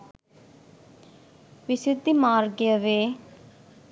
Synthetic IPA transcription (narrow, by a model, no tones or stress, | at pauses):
ʋɪsɪd̪ʱːimaːɾɡeəʋeː